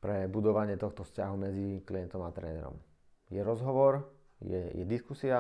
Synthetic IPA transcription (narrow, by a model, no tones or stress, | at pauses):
pɾɛbud̪ɔʋaɲɪɛt̪ɔxt̪ɔfscaɦumɛd͡zikliɛnt̪ɔmat̪ɾɛ̰ːnɛ̰ɾɔ̰m | jɛɾɔzɦɔʋɔɾ | jɛ̰jɛd̪iskusia